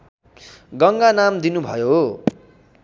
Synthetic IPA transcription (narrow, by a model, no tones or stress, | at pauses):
ɡʌŋɡanamd̪inubʱʌjo